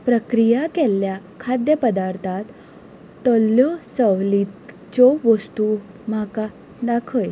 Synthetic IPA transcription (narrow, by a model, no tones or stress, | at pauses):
pɾəkɾijakelːja | kʰad̪jəpəd̪aɾt̪ʰat̪ː | ɔljɔsəʋlit̪ | t͡ɕɔʋəst̪u | m̤aka | d̪akʰəj